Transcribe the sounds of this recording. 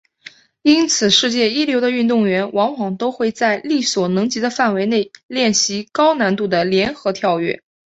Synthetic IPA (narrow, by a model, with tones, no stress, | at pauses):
i˥nt͡sʰɹ̩˨˩ʂɻ̩˥˧t͡ɕjɛ˥˩i˥ljo˧˥ʊd̪ə˧y˥˧nt̪ʊ˥˩ŋɥɛ˧˥nwɑ˧˥ŋwɑ˨˩ŋt̪o˥ʊxwe˥˧ɪt͡sa˥˧ɪli˥˩swɔ˨˩nɤ˧˥ŋt͡ɕi˧˥d̪ə˧fa˥˩nwe˧˥ɪne˥˩ɪljɛ˥˩nɕi˧˥kɑ˥ʊna˧˥nt̪u˥˩d̪ə˩ljɛ˧˥nxɤ˧˥t̪ʰjɑ˥˧ʊɥɛ̰˥˩